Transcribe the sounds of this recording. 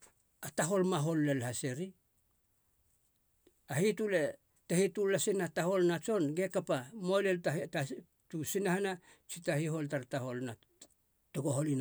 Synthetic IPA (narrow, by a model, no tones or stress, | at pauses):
ataɦo̞lmaɦo̞lːelhase̞ɾi | ahitule̞ | tehitulasinataho̞lnat͡ʃo̞nɡe̞kapamojleltata | tusinahana | t͡ʃitahiɦo̞ltaɾtaho̞lna | toɡo̞ɦo̞lin